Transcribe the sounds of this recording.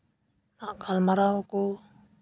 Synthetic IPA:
naʔkalmaɾauku

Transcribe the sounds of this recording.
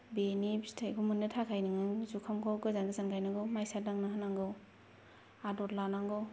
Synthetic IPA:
benibstʰɯjkʰumunːɯtʰakʰajnɯŋɯŋzukʰamkʰɔwɡɯzanɡɯzankʰajnɯɡɔmajsadaŋnaɦanaŋɡɯw | adɔɾlanaŋɡɔw

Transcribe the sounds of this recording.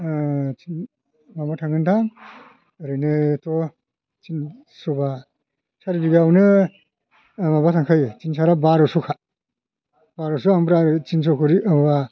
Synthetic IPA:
t͡ʃin | mamatʰaŋɯntʰaŋ | ɾɯnɯtɔ | t͡ʃin | sɔba | saɾibiɡaawnɯ | mabatʰaŋkʰɯjt͡ʃinsaɾabaɾɔsukʰa | b̥aɾɔsuambɾaɾɯt͡ʃins̬ɔkʰɯɾiʔɯmba

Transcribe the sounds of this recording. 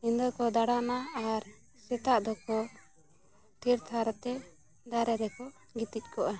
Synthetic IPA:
ind̪ɔɾkɔd̪aɽanaːɾ | sɛt̪aʔd̪ɔkɔ | t̪iɾt̪ʰaɾt̪ɛ | d̪aɾɛɾɛkɔ | ɡit̪ic̚ˀkʰɔʔa

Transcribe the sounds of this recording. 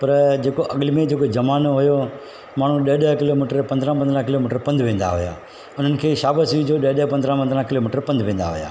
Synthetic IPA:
pɐɾd͡ʑeːkoʔɐɠlmẽd͡ʑeːkod͡ʒɐmaːnoɦʊjo | maːɳ̤ũɗɐɦɗəkɪloːmiːʈəɾpɐ̃nd̪ɾãpɐ̃nd̪ɾãkɪloːmiːʈəɾpɐ̃nd̪ʱʋẽːn̆d̪a̰ɦʊja̰ː | ʊn̤ənɪ̆kʰeːʃaːbəsiːd͡ʑoːɗɐɗpɐ̃nd̪ɾãpɐ̃nd̪ɾãkɪloːmiːʈəɾpɐ̃nd̪ʋẽːn̆d̪a̰ɦʊ̰ja̰ː

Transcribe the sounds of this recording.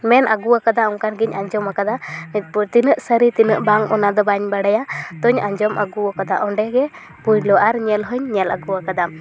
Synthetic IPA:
mɛnʔaɡuwakad̪aɔŋkanɡiɲʔaɲd͡ʒɔmakad̪amit̪̚puɾt̪inəʔsəɾit̪inəʔbaŋɔnad̪ɔbaɲbaɽajat̪ɔɲaɲd͡ʒɔma̰ɡuakad̪aʔɔɳɖɛɡɛ | pujlɔaɾɲɛlɦɔɲɲɛlaɡuwakad̪a

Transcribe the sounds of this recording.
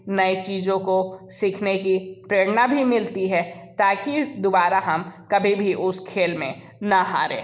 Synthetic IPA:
nɐit͡ʃiːzõkosiːkʰnekipɾeːɽnabʱimɪlt̪iɦɛt̪aːkid̪obaːɾaɦɐmkɐbʱibʱiʔʊskʰeːlmẽ | naɦa̰ːɾḛ̃ː

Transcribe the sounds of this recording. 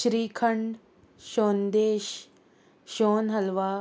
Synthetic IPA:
ʃɾiːkʰəɳɖ | ʃoːnd̪eːʃ | ʃoːnɦɐlʋaː

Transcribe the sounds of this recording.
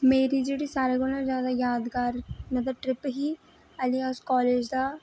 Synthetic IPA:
meːɾiːd͡ʒeːɽiːsaːɾeɡʊlnãzjaːd̪aːjaːd̪ɡaːɾnəd̪əʈɾɪpɦiː | əlĩaskɔːleːd͡ʒd̪aː

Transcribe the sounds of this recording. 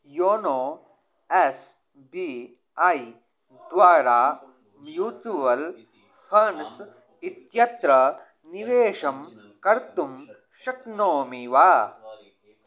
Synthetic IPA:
joːnoː | es | biː | aːi | d̪ʋaːɾaː | mjuːtuʋɐl | fʰɐns | it̪jɐt̪ɾɐ | niʋeːʃɐm | kɐɾt̪um | ʃɐknoːmiʋaː

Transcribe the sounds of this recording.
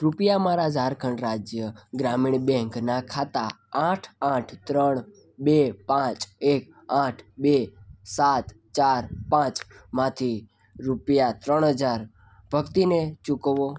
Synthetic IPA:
ɾupjamaɾad͡ʒʱaɾkʰəɳɾad͡ʒjəɡɾamiɳbɛ̃ŋknakʰat̪a | ãʈʰaʈʰt̪ɾəɳ | bepãt͡ʃek | ãʈʰbesat̪ | t͡ʃaɾpãt͡ʃmãt̪ʰi | ɾupjat̪ɾəɳɦəd͡ʒaɾ | bʱəkt̪inet͡ʃukʋo

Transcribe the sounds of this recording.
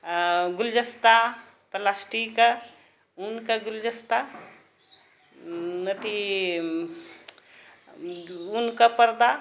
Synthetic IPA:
ɡuld͡ʒəst̪a | pəlasʈikə | unkəɡuld͡ʒəst̪a | mət̪ʰi | unkəpəɾd̪a

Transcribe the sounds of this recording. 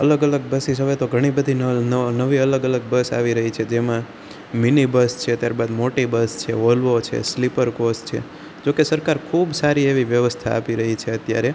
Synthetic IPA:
ələɡələɡ̚bəsiʃɦəʋet̪oɡʱəɽ̃ibəd̪ʱinənnəʋiələɡələɡ̚bəsa̰ʋiɾəɦit͡ʃʰed͡ʒemã | minibəst͡ʃʰeət̪jaɾbad̪moʈibəst͡ʃʰḛolʋot͡ʃʰḛslipəɾkost͡ʃʰḛ | d͡ʒokesəɾkaɾkʰubsaɾieʋiʋjəʋəst̪ʰa̰ːpiɾəɦit͡ʃʰeət̪ja̰ɾe

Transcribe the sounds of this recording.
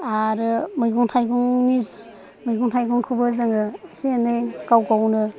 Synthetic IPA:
aɾɯmɯjɡuŋtʰajɡuŋniz | mɯjɡuŋtʰajɡuŋkʰɯbɯzaŋɯːsenɯjkawɡawnɯ

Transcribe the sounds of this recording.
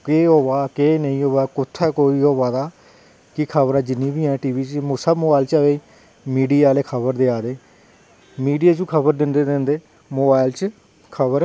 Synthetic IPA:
keːɦoːʋaːkeːnəĩːɦoːʋaːkʊt̪ʰːɛːkoːiːɦoːʋaːd̪aː | kɪkʰəbəɾãːd͡ʒɪnːiːbiːɛ̃ːʈiːʋiːt͡ʃmʊsəbmoːbaːɪlt͡ʃəʋei | miːɖiːaːleːkʰəbəɾd̪eːaːd̪eː | miːɖijaːt͡ʃũːkʰəbəɾd̪ɪnd̪eːd̪end̪eː | moːbaːɪlt͡ʃ | kʰəbəɾ

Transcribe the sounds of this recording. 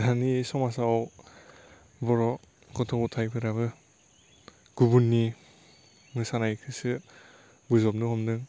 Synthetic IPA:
danisɔmas̬aɔw | bɔɾɔ | ɡɔtʰɔbutʰajpʰɯɾabɯ | ɡ̥ubunːi | mɯsanajkʰɯsɯ | bɯzɔp̚nɯhɔmnɯŋ

